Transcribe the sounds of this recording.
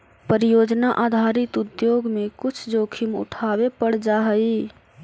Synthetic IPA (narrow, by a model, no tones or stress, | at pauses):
pəɾijod͡ʒnaʔad̪ʱaɾit̪ud̪joɡmekut͡ʃʰd͡ʒokʰimṵʈʰabepəɽd͡ʒaɦəi